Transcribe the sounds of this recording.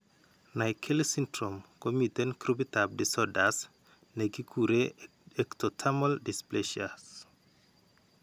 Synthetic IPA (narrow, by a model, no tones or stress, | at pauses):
najkʰelsintɾomkomitɛnkɾubitap̚disɔdas | neɡikʰuɾe | ektɔtʰamɔldispleʃas